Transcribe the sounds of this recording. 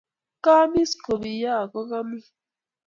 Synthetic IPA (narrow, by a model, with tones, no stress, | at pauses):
kaː˦mi˦sko˨βi˨jaː˦˨ko˦ka˦mi˦